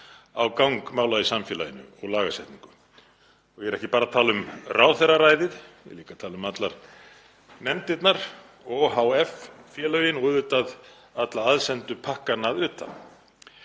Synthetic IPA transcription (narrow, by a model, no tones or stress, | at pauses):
awkawŋkmaːwlaðɪsamfɛːlaðɪnʏ̰ɔɣlaːɣasɛht̪niŋkʏ | ɔjɛɾɛhcɪpaːɾat̪ʰaːlʏmrʔaːwθɛrːaɾaːjðɪðjɛ̰liːkat̪ʰaːlʏmat̪laɾ̥ | nɛmt̪ɪt̪naɾ̥ | ɔɦawɛffjɛːlœɥjɪnɔðʏːt̪að | at̪laaðsɛnt̪ʏpʰahkanaðʏːt̪a̰